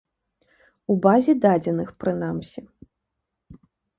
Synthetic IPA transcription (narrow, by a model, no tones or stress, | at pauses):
ubazʲid̪ad͡zʲɛnɨxpɾɨn̪amsʲi